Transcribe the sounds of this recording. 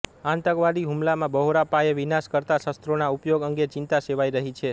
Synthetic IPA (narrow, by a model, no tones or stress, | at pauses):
ãnt̪əɡʋadiɦumlamãbəɦoɾapajeʋinaskəɾt̪asəst̪ɾonaupjoɡəŋɡet͡ʃɪnt̪aseʋaiɾəɦit͡ʃʰe